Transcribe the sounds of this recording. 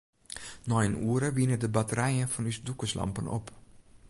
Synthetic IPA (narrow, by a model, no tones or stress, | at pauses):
nɔjnuəɾəʋinədəbatəɾɛjənfɔnysdukəslɑ̰mpəno̰p